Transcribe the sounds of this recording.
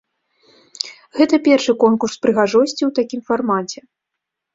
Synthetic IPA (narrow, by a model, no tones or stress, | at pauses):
ɣɛt̪ɐpʲɛrʂɨkɔnkurspɾɨɣaʐɔsʲt͡sʲiwt̪akʲimfarmat͡sʲɛ